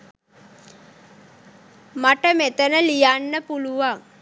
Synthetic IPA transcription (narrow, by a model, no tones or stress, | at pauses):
maʈəmet̪ənəlijanːəpuluʋaŋ